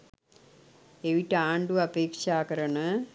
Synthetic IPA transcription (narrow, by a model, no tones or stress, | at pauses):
eʋiʈːaːɳɖuɐpeːkʂaːkɐɾɐɳɨ